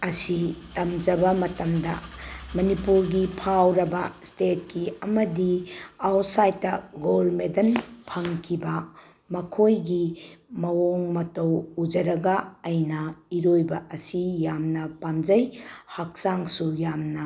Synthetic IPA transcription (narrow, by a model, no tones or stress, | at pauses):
ɐsitɐmd͡ʒɐbɐmɐtɐmdɐmɐnipuɾɡipʰawɾɐbɐstet̚kiɐmɐdiawt̚sajtːɐɡolmedɐnpʰɐŋkʰibɐ | mɐkʰojɡimɐwoŋmɐtɐwud͡ʒɐɾɐɡɐːjnɐiɾojbɐʔɐsijamnɐpamd͡ʒɐjhak̚saŋsujamnɐ